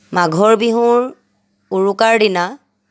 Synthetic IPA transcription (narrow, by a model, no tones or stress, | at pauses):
maɡʱɔɹbiɦʊ̃ɹ | uɹukaɹdina